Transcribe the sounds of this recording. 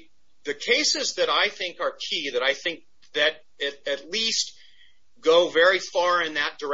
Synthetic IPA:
ðɨkʰeɪsɨzðɨɾaɪθɪ̃ŋkə˞kʰiðɨɾaɪθɪ̃ŋk̚ | ðɨɾ | ɨɾɨtˡlist̚ | ɡ̥oʊvɛɹifɑɹɪ̃nðɨt̚d̥ə˞

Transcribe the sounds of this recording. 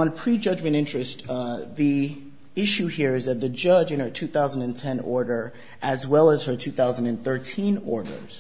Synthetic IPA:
ə̃npʰɹ̥id͡ʒʌd͡ʒmɨ̃ɾ̃ɪ̃nt͡ʃɹ̥ɨstði | ɪʃʉhiɹɨzɨt̪̚ðɨd͡ʒʌd͡ʒɨ̃nə˞tʰʉθaʊzə̃n̩dɨ̃ntʰɛ̃nɔ̰ɹɾə˞ | ʔɨzwɛlˠəz̥ə˞tʰʉθaʊzə̃n̩dɨ̃nθɜ˞tʰĩnɔɹɾə̰˞z̥

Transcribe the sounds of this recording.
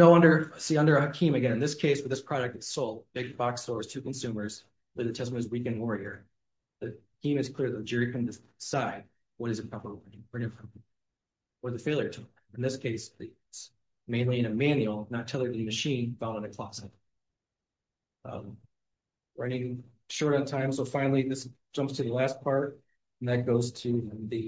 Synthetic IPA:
noʊʌ̃ndə˞siʌ̃ndə˞ɨɦɨkʰĩmɨɡɛ̃nɨ̃nðɪskʰeɪswəðɪspʰɹ̥ɑɾɨk̚tɨtsoʊlˠt̚b̥ɪɡ̚bɑkstɔɹz̥tʰʉkn̩sʉmə˞z̥ | led̚ðɨtʰɛs̬mɨɨzwikɨ̃nwɔɹiə̰˞ | ðɨkʰĩmɨz̥kʰl̥ɪɹðɨt̚d͡ʒɪɹikʰɨ̃ndɨ | saɪd̚ | wʌɾɨzɨpʰɑpə˞nɪ̃ŋʌnɪ̃ | wʌðɨfeɪlˠjə˞tʰˠ | ɨ̃nðɪskʰeɪsɨ | ts | mẽɪ̃nliɨ̃nɨmæ̃njʉl̩ˠnətʰɛlˠə˞ɾɨðɨmɨʃĩnfãndə̃nɨkʰl̥ɑsɨt̚ | ɹʌ̃nɪ̃ŋ | ʃɔɹɾɨ̃ntʰãɪ̃msoʊfãɪ̃nl̩ˠiðɪsd̥ʒ̥ʌ̃mpstʰɨðəlæs̚pʰɑɹt̚ | n̩ðɨt̚ɡ̥oʊz̥tʰɨ̃ðɨ

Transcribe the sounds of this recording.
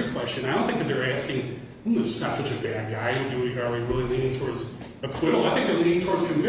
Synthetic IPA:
kʰw̥ɛst͡ʃɨ̃naɪɾõʊ̃nθɪ̃ŋkðɨt̪̚ðə˞æskɪ̃ŋ̩ | ðɪsznətsʌt͡ʃɨbæd̚ɡaɪɨdɨwə˞wiɹɪlˠilĩɾɪ̃ŋtʰɔɹdz̥ | ɨkʰw̥ɪɾl̩ˠaɪθɪ̃ŋk̚ðəlĩɾɪ̃ŋtʰɔɹdz̥kʰɨ̃ɱvɪ

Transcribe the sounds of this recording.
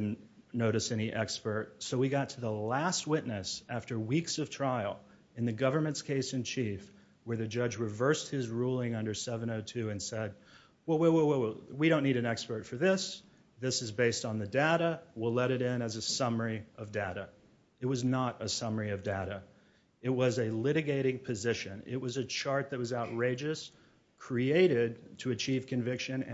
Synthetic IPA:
dⁿn̩ | noʊɾɨsɛñiʔɛkspə˞t̚soʊwiɡɑtʰɨðəlæst̚wɪʔⁿnɨsæftə˞wiksʌv̥tʰɹ̥aɪl̩ˠ | ɨ̃nðɨɡʌvə˞mɨ̃ntskʰeɪsɨ̃nt͡ʃʰif | wə˞ðɨd͡ʒʌd͡ʒɹɨvɜ˞st̚hɨzɹulˠɪ̃ŋʌ̃ndə˞sɛvɨ̃ñoʊtʰʉɨ̃nsɛd̚ | wɛlˠwɛwɛwwwiɾõʊ̃nːiɾɨ̃nɛkspə˞tfə˞ðɪs | ðɪsɨzbeɪstn̩ðɨdeʊɾəwilɛɾɨɾɪ̃nɨzɨsʌmə˞iʌvdeʊɾɨ | ɨt̚wʌznəɾəsʌmə˞iʌvdeʊɾɨ | ɨt̚wʌzɨlɪɾɨɡeɪɾɪ̃ŋpʰɨzɪʃɨ̃nɪ̰t̚wʌzɨt͡ʃʰɑɹt̪̚ðɨt̚wʌzaʊt̚ɹeɪd͡ʒɨs | kʰɹ̥ieɪɾɪd̚tʰɨɨt͡ʃʰiv̥kʰɨ̃ɱvɪkʃɨ̃n

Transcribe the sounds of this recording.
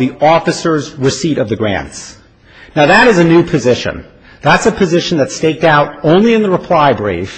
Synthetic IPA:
ðiɔfɨsə˞zɹɨsiɾʌvðɨɡɹæ̰̃nts | naʊðɨɾɨzɨnʉpʰɨzɪʃɨ̰̃n | ðætsɨpʰɨzɪʃn̩ðɨtsteɪk̚taʊɾõʊ̃nliɨ̃nðəɹəpʰl̥aɪbɹḭf

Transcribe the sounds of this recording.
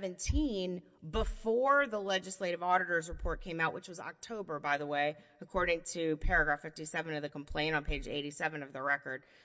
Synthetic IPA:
vɨ̃ntʰĩn | bəfɔɹðəlɛd͡ʒɨsleɪɾɨvɔɾɨɾə˞zɹəpʰɔɹt̚kʰẽɪ̃maʊʔwʔət͡ʃwʌzɑ̰k̚tʰoʊbə˞baɪðəweɪ | ɨkʰɔɹɾɪ̃ŋtʰɨpʰɛɹɨɡɹæfɪftisɛvɨ̃nʌvðɨkm̩pʰl̥ẽɪ̃ɾ̃n̩pʰeɪd͡ʒḛɪɾisɛvɨ̃nʌvðɨɹɛkə˞d̥̚

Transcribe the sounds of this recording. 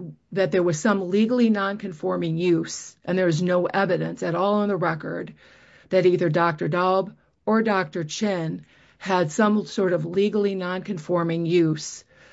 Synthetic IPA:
ðɨt̪̚ðə˞wʌz̥sʌ̃mliɡl̩ˠinɑ̃nkʰɨ̃ɱfɔɹmɪ̃ŋjʉsʔɨ̃nðə˞ʌznoʊʔɛvɨɾɨ̃nsɨɾɔlˠə̃nðəɹɛkə̰˞d̪̚ | ðɨɾiðə˞dɑk̚tə˞dɑlˠb | ə˞dɑk̚tə˞t͡ʃʰɪ̃n | ɨd̥sʌ̃msɔɹɾʌvliɡl̩ˠinɑ̃nkɨ̃ɱfɔɹmɪ̃ŋjʉz̥

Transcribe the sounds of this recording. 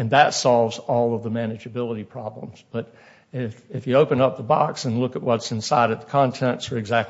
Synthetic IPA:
ɨ̃nðətsɑlˠvzɔlˠʌvðəmænɨd͡ʒɨbɪlˠəɾipʰɹ̥ɑblə̰̃mz̥b̥ʌɾ | ɪfɪfjɨoʊpɨ̃nʌp̚ðəbɑ̰ksɨ̃nlʊkət̚wʌtsɨ̃nsaɪɾɨt̪̚ðə̥kʰɑ̃ntʰɛ̃ntsə˞ɨɡzæk̚

